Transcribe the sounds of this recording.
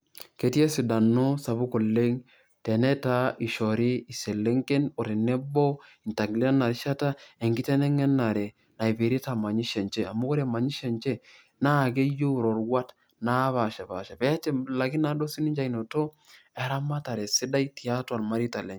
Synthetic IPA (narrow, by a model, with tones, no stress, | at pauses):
ke˦ti˦ɛ˦si˨da˨no˦sa˨βu˦ko˨le˦ŋ | tɛ˨nɛ˦ta˦i˨ʃɔ˨ɾi˦i˨se˨le˦ŋke˦no˨ɾi˨nɛ˦bɔ˦i˨nta˨ɡli˦na˨ɾi˦ʃa˦ta˦e˨ŋɡi˦tɛ˦nɛ˦ŋɛ˦na˨ɾɛ˨ | na˨i˨pe˨ɾi˦ta˨ma˨ɲi˦ʃɛ˨nt͡ʃɛ˦a˨mu˦ko˦ɾe˨ma˨ɲi˦ʃɛ˨nt͡ʃɛ˦ | na˦˨ɡ̬e˦jo˦˨ɾo˨ɾwa˦t | na˦βa˨ʃa˨ba̰˨ʃa˨pɛ˦tɛ˦˨la˨ki˦na˦do˦si˦ni˦ɲt͡ʃa˦jno˨to˦ | ɛ˨ɾa˦ma˦ta˨ɾɛ˨si˦da˦jti˨a˦twa˨lma˦ɾi˦ta˨lɛ˨ɲ